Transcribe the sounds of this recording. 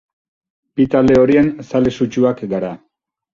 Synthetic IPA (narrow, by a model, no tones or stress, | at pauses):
pit̪ale̞o̞ɾiensalesut͡ʃuakɡaɾa